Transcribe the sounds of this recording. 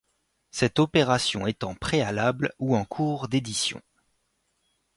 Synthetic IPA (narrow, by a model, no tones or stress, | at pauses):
sɛt̪ɔpeʁasjɔ̃ɛt̪ɑ̃pχealabluɑ̃kʰuʁd̪ed̪isjɔ̰̃